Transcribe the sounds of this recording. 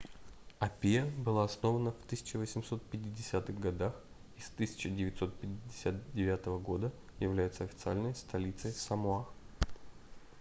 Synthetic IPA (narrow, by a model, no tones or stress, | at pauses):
ɐpʲijəbɨlˠaɐsno̞vənəft̪ɨsʲɪ̥t͡ɕɪvəsʲɪmso̞t̪̚pʲɪtʲːɪdʲɪsʲat̪ɨɣɡɐd̪ax | ɪst̪ɨsʲɪ̥t͡ɕɪdʲɪvʲɪt̪ʲso̞t̪̚pʲɪtʲɪdʲɪsʲat̪̚dʲɪvʲat̪əvəɡo̞d̪əjɪvlʲæjʊt̪səɐfʲɪt̪sɨalʲnəjst̪ɐlʲit̪səjsɐmʊax